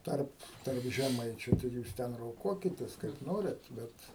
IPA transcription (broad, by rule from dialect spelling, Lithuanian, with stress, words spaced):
ˈtɐrp tɐrp ʒʲɛˈmɐɪt͡ʃʲʊ ˈtɐɪ ˈjuːs ˈtʲɛn roːˈkuɔkʲɪtʲeːs kɐɪp ˈnoːrʲɛt ˈbʲɛt